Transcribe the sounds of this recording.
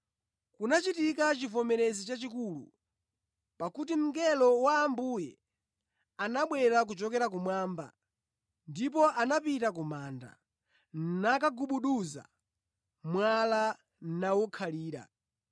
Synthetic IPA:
kunat͡ʃitikat͡ʃivɔmɛɾɛzit͡ʃat͡ʃikulṵ | pakut̬im̩ɡɛlɔwaːmbujɛ | anaɓwɛɾak̬ut͡ʃɔkɛɾak̬umwaːmba̰ | ndipɔʔanapitakumaːnda̰ | nnakaɡuɓuɗuza̰ | mwala | n̩nawɔkʰaliːɾa̰

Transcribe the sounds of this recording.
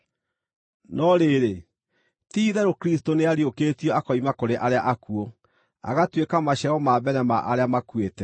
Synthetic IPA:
nɔɾeɾe | tiːðɛɾokɾistoneaɾiokeːtiɔakɔimakoɾeʔaɾeaʔakuɔ | a̰ɣatwekamaɕɛɔmaːβɛɾɛmaʔaɾeamakwetɛ

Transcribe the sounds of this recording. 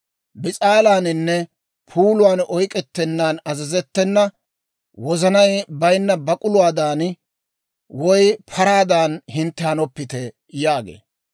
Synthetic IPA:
bɪt͡sʼaːlaːnɪnːɛ | pʰuːlʊwaːnɔjkʼɛt̪ːɛnːaːnɐzɐzɛt̪ːɛnːɐ | wɔzɐnɐjbɐjnːɐbɐkʼʊlʊwaːd̪aːn | wɔjpʰɐɾaːd̪aːnhɪnt̪ːɛhɐnɔpːɪt̪ɛ | jaːɡḛː

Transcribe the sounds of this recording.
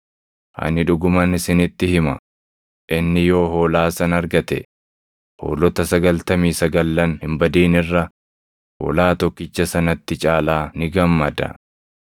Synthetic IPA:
ʔɐ̰nɪᶑʊɡʊmɐnɪsɪnɪt̪ːɪhɪmɐ̰ | ʔɪnːɪjo̞ːɦo̞ːlaːsɐnɐɾɡɐt̪ɛ̰ | ho̞̰ːlɔt̪ɐsɐɡɐlt̪ɐmiːsɐɡɐlːɐnhɪmbɐd̪iːnɪrːɐ | ho̰ːlaːt̪ɔkːɪt͡ʃːɐsɐnɐt̪ːɪt͡ʃʼaːlaːnɪɡɐmːɐd̪ɐ̰

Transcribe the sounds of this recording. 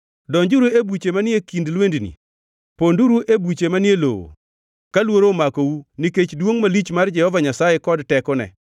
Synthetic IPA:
dɔɲd͡ʒuɾuebut͡ʃemanɪekindlwendinḭ | ponduɾuʔebut͡ʃemanɪjelo̰wo̰ | kalwoɾomakowuniket͡ʃdwoŋmalit͡ʃmard͡ʒɛhɔvaɲasajekɔdtɛkɔnɛ̰

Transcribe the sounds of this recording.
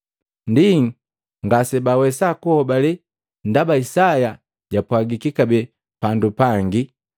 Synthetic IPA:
ndiŋ | ŋɡasɛbawɛsakuhɔbali | ndabaisaja | ɟapwaɡikikabɛ | pandupaŋɡi

